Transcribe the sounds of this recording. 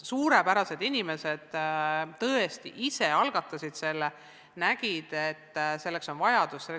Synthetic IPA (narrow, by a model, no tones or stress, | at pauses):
suːɾe̞pæɾɑse̞d̪inʲime̞se̞d̪̥t̪ɤest̪iʔise̞ɑlɡ̥ɑt̪ːˑɑsid̪̥se̞lːe | næɡ̥id̪̥et̪ːse̞lːe̞kso̞nvɑjɑd̪̥usːelː